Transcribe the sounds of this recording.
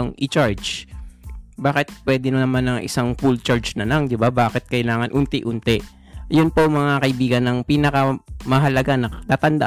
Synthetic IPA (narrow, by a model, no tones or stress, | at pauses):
ŋʔɪt͡ʃaɹd͡ʒ | baːkɪt̪̚pwɛːd̪ɪnnɐmanɐŋʔɪ̰saŋfult͡ʃaɹd͡ʒnɐlaŋd̪ɪbabaːkɪt̪̚kɐjlaːŋɐnʔʊnt̪ɛʔʊnt̪ɛʔ | jʊnpoŋmɐŋakɐʔɪbiːɡɐnːɐŋpiːnɐkɐmɐɦɐlɐɡanɐt̪aːt̪ɐnd̪ɐʔ